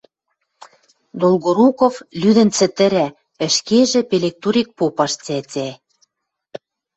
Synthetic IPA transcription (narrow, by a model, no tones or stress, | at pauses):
d̪olɣoɾukoflyd̪ɘ̆nt͡sə̆t̪ɘ̆ɾæ | ə̆ʃkeʒĕpelʲek̚t̪uɾʲik̚popɑʃt͡sæt͡sʲæ